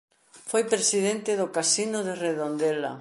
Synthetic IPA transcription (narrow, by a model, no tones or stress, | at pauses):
fojpɾesiðent̪ɪðʊkasinʊðereðond̪ɛla̰